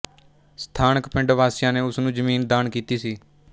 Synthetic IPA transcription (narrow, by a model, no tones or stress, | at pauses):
st̪ʰaːnəkpɪ̃ɳɖʋaːsɪjãːneːʊsnũːd͡ʒəmiːnd̪aːnkiːt̪iːsiː